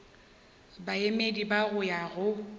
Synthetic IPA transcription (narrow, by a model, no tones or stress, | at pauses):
baemedibaɣʊjaɣʊ